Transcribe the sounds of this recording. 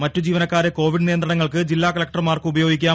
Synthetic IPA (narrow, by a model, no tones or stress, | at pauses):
mɐtːud͡ʑiːʋɐnɐkːaːɾeko̞ːʋiɖnijɐnd̪rɐɳɐŋːɐɭkɨd͡ʑilːaːkɐlɐk̚ʈrmaːrkɨubɐjo̞ːɡikʲːaː